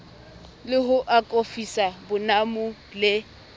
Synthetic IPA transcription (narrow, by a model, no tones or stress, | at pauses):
lɪɦʊʔakʼofisabʊnamʊ | lɪ